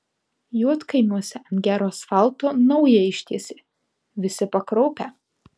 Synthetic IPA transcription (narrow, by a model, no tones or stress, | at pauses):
juɔt̪kɐɪnuɔsʲɪɐnɡʲæːɾoːsfɑlˠt̪oːnɐʊjɛɪʃʲt̪ʲiɛsʲeː | ʋʲɪsʲɪpɐkɾɔʊpʲæ